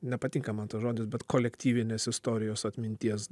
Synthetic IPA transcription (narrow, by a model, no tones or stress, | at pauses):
nʲɛpɐt̪ʲiːŋkɐmɐnt̪ɐʒoːd̪ʲɪsbʲɛt̪koːlʲɛkt̪ʲiːʋʲɪnʲeːsɪst̪oːɾʲɪjoːsɐt̪ʲmʲɪnʲt̪ʲiɛs